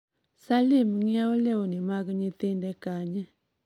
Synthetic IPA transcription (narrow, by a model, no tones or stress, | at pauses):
salimŋiaoleonimakəɲit̪endɛkaɲɛ